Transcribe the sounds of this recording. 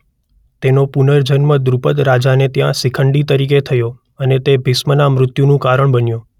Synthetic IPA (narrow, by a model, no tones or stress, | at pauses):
t̪enopunəɾd͡ʒənməd̪ɾupəd̪ɾad͡ʒanet̪jãsikʰəɳɖit̪əɾiket̪ʰəjo | ənet̪ebʱɪsmənamɾʊt̪junũkaɾəɳbənjũ